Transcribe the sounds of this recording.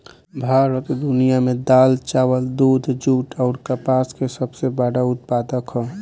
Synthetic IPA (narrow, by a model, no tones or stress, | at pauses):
bʱaɾət̪d̪unijamed̪alt͡ʃaəld̪ud̪ʱd͡ʒuʈɔʊɾkəpaskesəbʱsebaɽaut̪̚pad̪əkɦɔ